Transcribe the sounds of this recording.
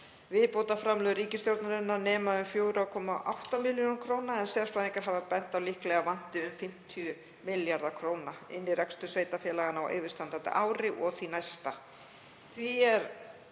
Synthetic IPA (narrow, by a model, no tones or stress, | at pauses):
vɪðpowt̪afɾamlœɣðɾiːcɪst̪jowɾt̪naɾɪnːanɛːmaʏmfjoːwɾakʰɔːma̰ʔawht̪amɪljonkʰɾoːwnaɛnsɛːðaɾ̥fɾawðĩŋkaɾ̥ɦavapɛn̥t̪awlihklɛɣavan̥t̪ɪʏmfɪm̥t̪ʰijʏ | mɪljaɾðakʰɾoːwnaɪnːɪɾɛkst̪ʏsveːjt̪afjɛːlaɣanawʔḛːjvɪɾ̥st̪ant̪ant̪ɪ̰ʔaːwɾɪʔɔɣθinajst̪a | θiɛɾ